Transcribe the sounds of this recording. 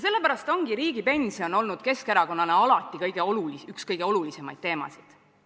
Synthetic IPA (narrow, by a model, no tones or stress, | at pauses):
se̞lːe̞pæɾɑst̪o̞ŋɡ̥iɾiːɡ̥ipe̞nʲsio̞no̞lnud̪̥ke̞skeɾɑko̞nːɑneɑlɑt̪ːˑikɤjɡ̥e̞oluliykskɤjɡ̥e̞o̞lulise̞mɑjd̪̥̚t̪e̞ːmɑ̰sid̪̥